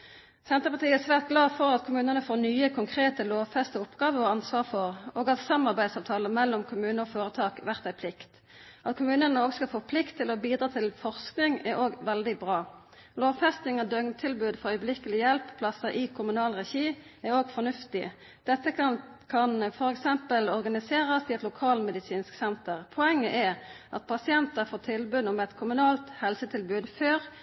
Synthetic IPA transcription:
sɛnt̪ʁəpɑʁt̪ʰiːəɛsʋæːʁt̪̚ɡlɑːfɔʁɑt̪kʰʊmʉːnənəfoːnyːəkʰʊŋkʰʁeːt̪əloːʋfɛst̪əʊpɡɑːʋəʁɔɑnsʋɑːʁfɔʁoːɡɑt̪sɑmɑʁbæɪd̪sɑʋt̪ʰɑːləmɛlːɔmkʰʊmʉːnəɔfoːʁət̪ʰɑːkʋæʁt̪æɪpʰlɪkt̪ | ʔɑt̪kʰʊmʉːnənəoːɡskɑfoːpʰlɪkt̪ʰːɪlɔbiːd̪ɾɑːt̪ʰɪlfɔʁsknɪŋɛʁʔoːɡʋɛld̪ɪbʁɑː | loːʋfɛst̪nɪŋɔd̪œŋt̪ʰɪlbʉːd̪fɔʁœʏəblɪkəlɪjɛlppʰːlɑsɑʔɪkʰʊmʉnɑːlʁɛçiːɛɾoːɡfɔnʉft̪ɪ | d̪̥ɛt̪ːəɑ | kʰɑnfɔʁɛksɛmpəlɔʁɡɑnɪseːʁɑsɪɛt̪lʊkʰɑːlmɛd̪ɪsiːnsksɛnt̪əʁpʰɔɛŋːə̰ʔɛʔɑt̪̚pʰɑsɪɛnt̪əfoːt̪ʰɪlbʉːd̪ʊmɛt̪kʰʊmʉnɑːlt̪hɛlsət̪ʰɪlbʉːd̪føːʁ

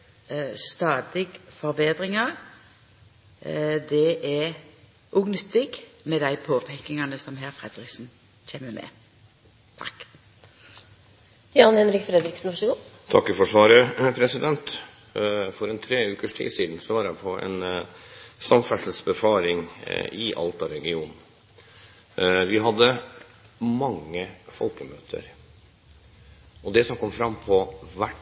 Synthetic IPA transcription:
st̪ɑːd̪ɪɡfɔɾbeːd̪ɾɪŋɑɾ | d̪ɛʔɛ | ʔuːɡnʏt̪ːɪɡmɛd̪æɪpʰoːpʰɛkːɪŋɑnəsɔmɦæːɾfɾɛd̪ʁɪksn̩ | c͡çʰeːməmʔɛ̰ | t̪ʰɑ̰kː | jɑːnhɛnɾɪkfɾɛd̪ɾɪksn̩ʋɑʂəɡuːt̪ʰɑkːfɔʂʋɑːɾəpʰɾɛsɪd̪ɛnt̪ | fɔɾɛnt̪ʰɾeːʉːkəʂʈʰḭːsiːd̪nsɔʋɑːɾjæɪpʰɔɛ̰n | sɑmfɛsəsbəfɑːɾɪŋɪʔɑ̰lt̪ɑɾɛɡɪuːnn̩ | ʋɪɦɑd̪ːə | mɑŋːəfɔ̰lkəmøːt̪ʰə̰ɾ | ɔd̪ɛsɔmkʰɔmːfɾɑmpʰɔʋæʈ

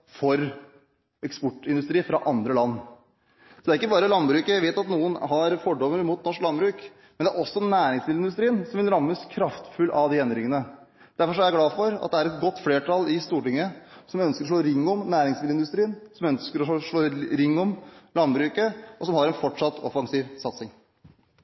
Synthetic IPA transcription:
fɔɾ | ɛkspɔʈːɪnd̪ʉst̪ɾiːfɾɑʔɑnd̪ɾəlɑnː | sɔd̪æɾɪkːəbɑːɾəlɑnbɾʉːkəæɪʋeːt̪ɑt̪nuːənɦɑɾfɔɖɔmːəɾmʊːt̪nɔʂklɑnbɾʉːk | mɛnd̪æɾɔsːɔnæːɾɪŋsmɪlɪnd̪ʉst̪ɾiːnsɔmʋɪlɾɑmːəskʰɾɑft̪fʉlːʔɑʋd̪ɪɛnəɾɪŋːənə | d̪̥æɾfɔʂ̬ɔæjæɡlɑːfɔɾɑ̰t̪̚d̪ɛæɾɛt̪ɡɔt̪ːfleːʈʰɑlɪst̪uːʈɪŋːəsɔmœnskəɾɔʂɭoːɾɪŋːɔmnæːɾɪŋsmɪd̪ɪnd̪ʉst̪ɾiːnsɔmœnskəɾɔʂɭoːɾɪŋːɔmlɑnbɾʉːkəʔɔsɔmhɑɾɛnfɔʈʂɑt̪ːɔfɑŋsiːʋsɑt̪sɪŋ

